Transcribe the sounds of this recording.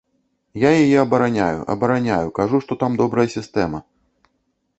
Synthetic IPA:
jajajɛɐbɐɾanʲajʊ̰ʔɐ̰bɐɾanʲajukaʐuʂt̪ɔt̪amd̪ɔbɾɐjɐsʲist̪ɛmɐ

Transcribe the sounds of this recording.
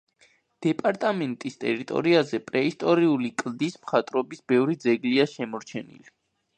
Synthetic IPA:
d̪̥ɛpʼaɾt̪ʼamɛnt̪ʼist̪ʼɛɾit̪ʼɔ̰ɾiazɛpʼɾɛist̪ʼɔɾiulikʼld̪ismχat̪ʼɾɔbisbɛvɾid̪zɛɡliaʃɛmɔɾt͡ʃʰɛnḭli

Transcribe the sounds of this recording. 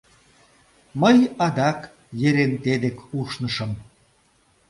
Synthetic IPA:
məjɑd̪ɑk | jeɾent̪ed̪ekuʃnəʃə̆m

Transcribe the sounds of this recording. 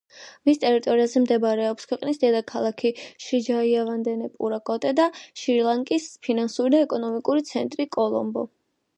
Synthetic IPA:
mist̪ʼɛɾit̪ʼɔɾiazɛmd̪ɛbaɾɛɔpskʰwɛqʼnisd̪ɛd̪akʰalˠakʰiʃid͡ʒaiavand̪ɛnɛpʼṵɾakʼɔt̪ʼɛd̪aʃiɾlˠaŋkʼispʰinansuɾid̪aɛkʼɔnɔmikʼuɾit̪sʰɛnt̪ʼɾikʼɔlˠɔ̰mbɔ

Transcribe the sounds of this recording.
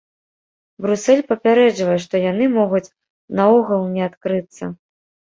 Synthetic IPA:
bɾusɛlʲpɐpʲaɾɛd͡ʐvɐjɛʂt̪ɔjan̪ɨmɔɣut͡sʲ | nauɣɐlˠnʲɛat̪kɾɨt̪sːɐ̰

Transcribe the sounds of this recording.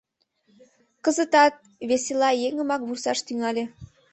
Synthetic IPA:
kəzət̪ɑt̪̚ | βeselɑjeŋəmɑk̚βursɑʃt̪yŋɑlʲe

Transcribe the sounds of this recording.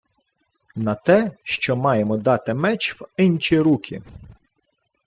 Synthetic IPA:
nɐt̪ɛʃt͡ʃɔmɑjemɔd̪ɑt̪ɪmɛt͡ʃwɪnt͡ʃiɾukʲʰḭ

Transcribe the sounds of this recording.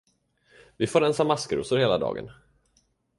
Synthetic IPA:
vɪfoːɾɛnsamaskəɾṵːsʊɾheːlad̪ɑ̰ːɡə̰n

